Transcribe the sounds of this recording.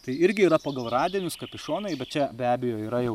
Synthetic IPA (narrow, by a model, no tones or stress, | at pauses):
t̪ɐɪɪɾʲɡʲɪiːɾɐpɐɡɐlˠrɑːd̪ʲɪːnʲʊskɐpʲɪʃoːnɐɪbʲɛt̪t͡ʃʲɛbʲæːbʲɪjoːiːɾɐjɛʊ